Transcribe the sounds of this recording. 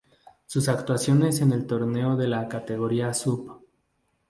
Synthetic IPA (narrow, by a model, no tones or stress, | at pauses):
susakt̪wasjo̞ne̞se̞ne̞lt̪o̞ɾne̞o̞ðe̞lakat̪e̞ɣo̞ɾiasup